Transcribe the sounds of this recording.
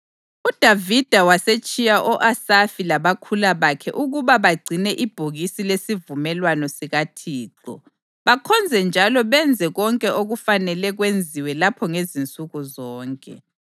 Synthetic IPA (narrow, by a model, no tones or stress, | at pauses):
ud̥ʱavid̥ʱawaset͡ʃʼijaʔɔʔasafilaβakʰulaβakʰɛ̰ʔuɣuβaβaɡ͡ǀʱinɛʔib̥ʱoɣisilesivumɛlwanɔsiɣatʰiːǁɔ̰ | βakʰɔnd͡zʱɛnd͡ʒʱalɔβɛnd͡zʱɛɣɔŋkʼɛoɣufanɛlɛɣwend͡zʱiwɛlapʰɔŋezint͡sʼuɣuzɔːŋkʼɛ̰